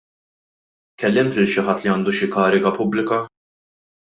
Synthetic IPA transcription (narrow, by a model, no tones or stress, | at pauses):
kɛlːɪmt̪lɪlʃɪħɐt̪ːliɐːnd̪uʃɪkɐːɾɪɡɐpʊblɪkɐ